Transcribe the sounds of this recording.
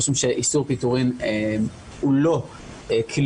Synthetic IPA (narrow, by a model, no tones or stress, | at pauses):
ʃumʃeʔisuʁpit̪uʁimem | ulo̞ | ekʰil